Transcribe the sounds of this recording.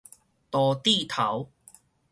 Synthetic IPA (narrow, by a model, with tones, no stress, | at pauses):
t̪ɔː˨˩t̪i˥˧t̪ʰɐ˨˦w